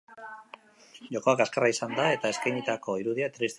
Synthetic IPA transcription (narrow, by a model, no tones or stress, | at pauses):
ʝo̞ko̞akaskaraisand̪ae̞t̪ae̞skajɲit̪ako̞iɾuðiat̪ɾist̪